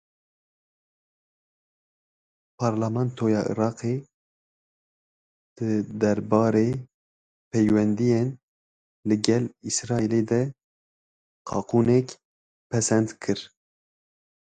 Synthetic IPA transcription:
pʰɑːɾlɑmɑnt̪ʰoːjɑːʔḭɾɑːqeː | d̪̥ɨd̪ɛɾbɑːɾeː | pʰɛjwɛnd̪ijen | lɨɡɛlisɾɑːiled̪ɛ | qʰɑ̰ːquːnɛk | pʰɛsɛnd̪kʰɨɾ

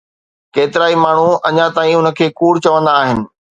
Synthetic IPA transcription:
keːt̪ɪɾaːimaːɳ̤uɐɲãt̪aːĩɦʊnə̆kʰeːkuːɽt͡ɕɐʋə̃nd̪aːɦɪnɪ̆

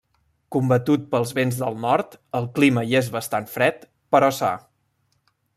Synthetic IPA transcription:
kumbət̪ut̪̚pəlˠzβenzðəlˠnɔɾt̪əlˠkliməiezβəst̪anfɾɛt̪ | pəɾɔsa̰

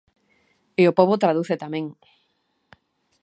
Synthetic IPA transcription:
eopoβot̪ɾaðuθet̪amẽŋ

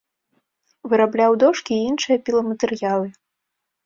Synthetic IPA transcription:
vɨɾablʲawd̪ɔʂkʲiinʂɨjɐpʲilˠɐmɐt̪ɛrjalˠɨ

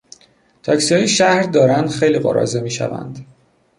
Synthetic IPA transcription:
t̪ʰɒːcsiɒːjeʃæhɾd̪ɒːɾænd̪xejliːɣɒ̰ɾɒ̰ːzemiːʃæ̰væ̰nd̪

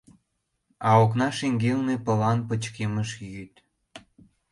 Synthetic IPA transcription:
ɑoknɑʃeŋɡelnepəlɑnpət͡ɕkeməʃjyt̪

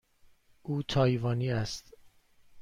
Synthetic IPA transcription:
ʔuːt̪ʰɒːjvɒːniːæst̪

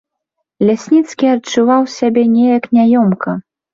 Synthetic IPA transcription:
lʲasʲnʲit̪skʲiɐt͡ʂuvawsʲabʲɛnʲɛjɐknʲajɔmkɐ

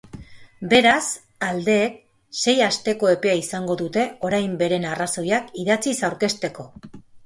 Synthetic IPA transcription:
be̞ɾas | ald̪e̞ːk̚ | se̞jast̪e̞ko̞e̞pe̞aisaŋɡo̞ðut̪e̞o̞ɾajmbe̞ɾe̞naraso̞jakiðat͡sisawɾke̞st̪e̞ko̞

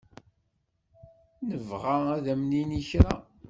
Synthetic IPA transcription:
nəvʁaæðæmniniçɾa

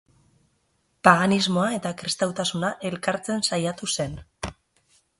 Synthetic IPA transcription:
paɣanizmo̞ae̞t̪akɾist̪awt̪asunaʔe̞lkaɾt͡se̞nsajat̪use̞n

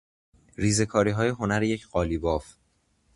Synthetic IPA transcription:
ɾiːze̞kʰɒːɾiːɦɒːje̞ɦo̞næɾeje̞cʰɢɒːlibɒːf

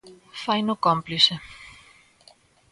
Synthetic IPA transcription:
fajnokɔmplise

